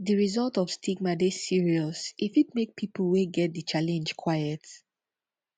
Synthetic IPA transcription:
diɹizɔlˠtɔv̥stʰiɡmadesiɹiɔsifit̚mek̚pʰipʰl̩weɡɛt̚dɨt͡ʃalɛ̃nd͡ʒkʰwajət

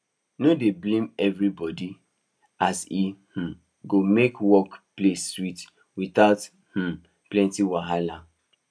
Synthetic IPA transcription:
nodeblẽmɛvɹibɔdi | asih̩ | ɡomekwɔkpleswit | wiθaʊt | h̩ | plɛ̃ntiwaɦala

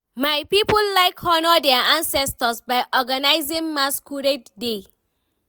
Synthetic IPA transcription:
majpipɔlːajkʰɔnɔdɛaãnsɛstəsbajʔɔɡanajzĩŋmaskʰuɹedde

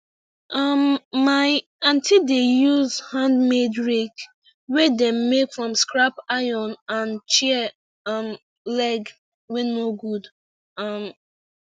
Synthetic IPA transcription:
ʔʌmːaɪ | ãntʰidejuzhãndmedɹek | wɛdɛ̃mːekfɹɔ̃mskɹapaɪjɔ̃nãnt͡ʃi | m | lɛɡ | wɛnoɡud | am

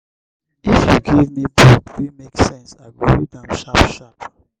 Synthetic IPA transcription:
ifjuɡivmibukwimeksɛ̃nsaɪbɹidãmʃapʃap

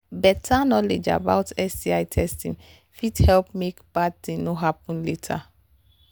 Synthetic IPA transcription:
bɛtʰanɔled͡ʒa̰baʊtɛsdiajtʰɛstĩŋ | fidhɛlp̚mekbad̚tĩŋnoɦapɔ̃nletʰa̰

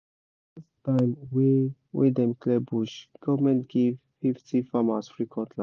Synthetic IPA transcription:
distãɪ̃mwiwḭdɛ̃mklɛbuʃɡ̥ɔvmɛ̃ntɡ̥evfiftʰifamasfɹikʰɔ̃ntʰla

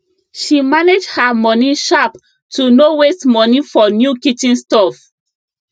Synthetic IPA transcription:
ʃimaned͡ʒhamɔniʃap | tunowestmɔnifɔnjukitĩnstɔf

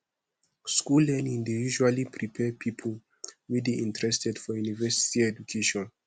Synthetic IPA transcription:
skulɛnĩndijuʒualipʰɹipʰɛpʰipʰol | wideʔĩntʰɹɛstɛdfɔjunivɛsi̥tiɛd͡ʒukʰeʃɔ̃n

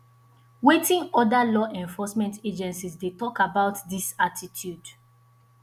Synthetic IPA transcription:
wetĩŋɔdalɔʔɛ̃ɱfɔsmɛ̃ntʰed͡ʒɛ̃nsisdetɔkabaʊtdisatitʰjud

